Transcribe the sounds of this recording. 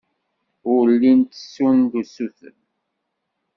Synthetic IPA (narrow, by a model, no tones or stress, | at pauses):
ʊlːint̪ə̥sːund̪usuθə̰n